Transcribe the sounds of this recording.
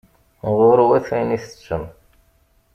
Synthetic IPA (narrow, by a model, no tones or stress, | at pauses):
ʁʊɾwæθæjniθə̥t͡ʃːəm